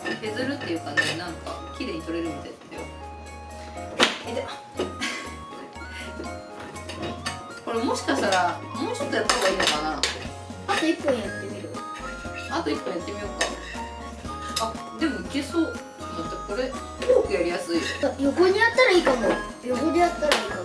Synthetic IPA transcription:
he̞zɨɾɯ̟t̪ːe̞jɯ̟ːkãɲninãŋka̰kʲiɾe̞ːɲ̟it̪o̞ɾe̞ɾɯ̟nt̪at̪ːejo | d̪a | ko̞ɾemo̞ɕi̥kaɕt̪aɾamo̞ːt͡ɕot̪ːojat̪ːaβaiːnokana | at̪o̞ikpːõjat̪ːe̞mʲiɾɯ | at̪o̞ipːõ̞jat̪ːe̞mʲioka̰ | a | d̪e̞mo̞ikesoː | mat̪ːeko̞ɾe̞ | ookɯ̟jaɾʲijasɨioajo̞ɡoɲ̟iat̪ːaɾaiːk̪amo | jo̞ɡo̞d̪ejat̪ːaɾaiːka

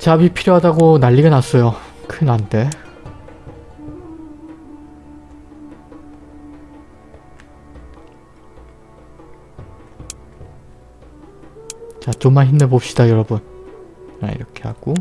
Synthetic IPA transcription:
t͡ɕabipʰiɾjoɦadaɡonaʎːiɡanas͈ʌjo | kʰɯnande̞ | t͡ɕat͡ɕomːaɭɦimnebop̚ɕ͈id̥ajʌɾʌbun | a̰ḭɾʌkʰe̞ɦa̰ɡ̥o

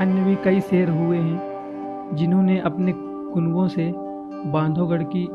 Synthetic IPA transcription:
njəʋikɐiseːɾɦʊeɦɛ̃ | d͡ʒɪnɦõneʔɐpne | kʊnwõse | bãːnd̪ʱõɡəɽki

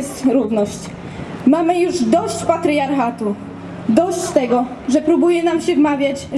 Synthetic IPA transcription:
st̪ɾuvnɔɕt͡ɕ | mamɘjuʐd̪ɔɕt͡ɕpat̪ɾɘjaɾxat̪u | d̪ɔɕt͡ɕt̪ɛɡɔ | ʐɛpɾubujɛnamɕɛvmavʲjat͡ɕ

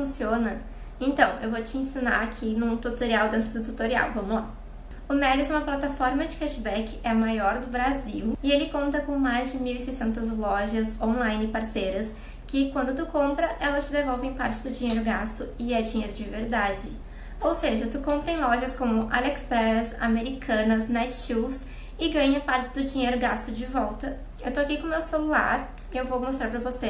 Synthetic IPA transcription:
fũsiõnɐ | ẽnt̪ɐ̃w̃ḛwvot͡ʃɪẽsina̰ɾakʰinʊ̃t̪ut̪oɾiawd̪ẽnt̪ɾʊd̪ʊt̪ut̪oɾia̰wvɐ̃mʊzla̰ | ʊmɛlɪzũmɐplat̪afɔɾmɐd͡ʒɪkɛʃbɛkɪɛɐmajɔɾd̪ʊbɾaziwɪelɪkõnt̪ɐkõmajzd͡ʒɪmiwisejsẽnt̪ɐzlɔʒɐzõlãj̃nɪpaɾsejɾɐs | kɪkwɐ̃nd̪ʊt̪ukõmpɾɐʔɛlɐst͡ʃɪd̪evɔwvẽj̃paɾt͡ʃɪ̥d̪ʊd͡ʒĩɲejɾʊɡast̪ʊɪɛd͡ʒĩɲejɾʊd͡ʒɪveɾd̪ad͡ʒɪ | owseʒɐt̪ukõmpɾɐẽj̃lɔʒɐskõmʊʔalɛkspɾɛsa̰meɾikʰɐ̃nɐznɛt͡ʃʃiws | ɪɡɐ̃ɲɐpaɾt͡ʃɪ̥d̪ʊd͡ʒĩɲejɾʊɡast̪ʊd͡ʒɪvɔwt̪ɐ | ewt̪oakijkõmewselula̰ɾ | ɪewvowmost̪ɾaɾpɾɐvose

